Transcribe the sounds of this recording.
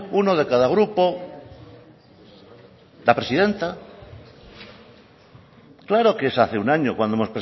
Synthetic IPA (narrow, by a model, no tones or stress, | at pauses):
unoð̞ekaðaɣɾupo | d̪apɾe̞siðe̞nt̪a | klaɾokesaθeunaɲokwand̪oemopɾe